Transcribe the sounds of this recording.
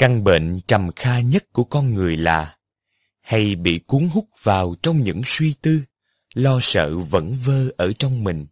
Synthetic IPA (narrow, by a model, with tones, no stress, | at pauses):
ka˧ŋɓḛ˧˨nt͡ɕə˨˩mxaː˧ɲə˦˥t̚ku˧˩əkɔ˧nŋɨ˨˩əjlaː˨˩ | ha˧jɓḭ˧˨ku˨˦əŋɦʊ˦˥k͡p̚vaː˨˩wt͡ɕɔ˧wŋ͡mɲɨ̰˧˥ŋswi˧t̪ɨ˧ | lɔ˧sə̰ː˧˨və̰˧˥nvəː˧ʔəː˧˩t͡ɕɔ˧wŋ͡mmï˨˩ŋ̟